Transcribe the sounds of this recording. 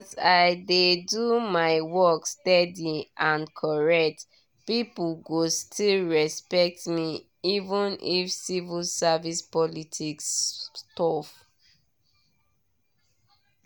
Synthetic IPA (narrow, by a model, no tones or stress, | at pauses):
saɪdedumaɪwɔkstɛdiãnkʰɔɹɛk̚t | pipulɡostʰilɹɛspɛk̚tmi | ivũnifsivilsavispɔlitʰikstɔf